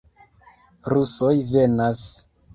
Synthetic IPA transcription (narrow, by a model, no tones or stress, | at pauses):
ɾuso̞jve̞nas